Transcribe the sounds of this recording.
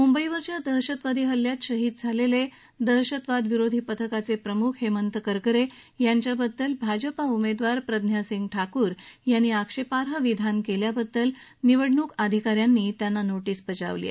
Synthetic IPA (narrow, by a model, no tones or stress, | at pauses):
mumbəiʋəɾt͡ɕjad̪əɦɕət̪ʋad̪ʱiːɦəljat̪ɕəɦiːd̪d͡zʱalele | d̪əɦɕət̪ʋad̪ʋiɾod̪ʱiːpət̪ʰəkat͡sepɾəmukʰɦemənt̪əkəɾkəɾejaɲt͡ɕjabəd̪ːəlbʱad͡ʑəpaumed̪ʋaɾpɾəd̪ʱnjasiŋɡ̚ʈʰakuːɾjanːiakʂepaɾɦəʋid̪ʱankeljabəd̪ːəlniʋəɽɳuːkad̪ʱikaɾjanːiːt̪janːanoʈiːsbət͡ɕa̰ʋliḛ